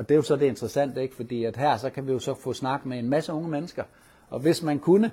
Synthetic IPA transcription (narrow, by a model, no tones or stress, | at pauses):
ɒ̽d̥e̝jo̝sɒ̽d̥e̝e̝nd̥ʁɐsæn̰d̥e̝ɡ̥əfɒ̽d̥ḭːæd̥ɦæɐ̰sɒ̽kʰæʋijo̝sɒ̽fɔ̰̽ːsnɑ̈ɡ̥meenmæsəɔ̽ŋəmenəsɡ̥ɐ | ʔɒ̽ʋe̝smænkʰunə